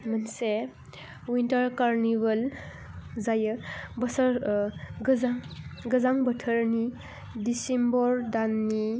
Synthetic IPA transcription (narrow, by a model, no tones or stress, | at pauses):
mənse | wintəɾkaɾnibəl | zajəbəsəɾɡəzaŋɡəzaŋbətʰəɾni | disembɔɾdanːi